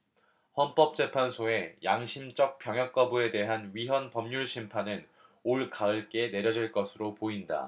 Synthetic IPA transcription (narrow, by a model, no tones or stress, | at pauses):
hʌnp͈ʌp̚t͡ɕ͈e̞pʰansʰoe̞jaŋɕʰimd͡ʑʌk̚p͈jʌŋɦjʌk̚k͈ʌbue̞de̞ɦanɥiɦʌnpʌmɲuɭɕʰimpʰanɯn | oɭkaɯɭk͈e̞ne̞ɾjʌd͡ʑiɭk͈ʌsʰɯɾopoinda̰